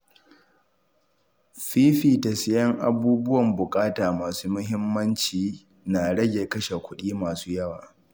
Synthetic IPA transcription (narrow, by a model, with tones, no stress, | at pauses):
ɸiː˦ɸiː˨tɐ˨sɪ˦jɐ˦ŋʔa̰˨buː˦bʊ˦wɐ˨mbʊ˨kʼaː˦taː˨maː˨suː˦mʊ˦ɦɪ˦mːɐ˦nt͡ʃiː˨ | naː˨ɽɐ˦ɡʲe˨kɐ˦ʃe˨kʷʊ˦ɗiː˦maː˨suː˦jɐ˦waː˨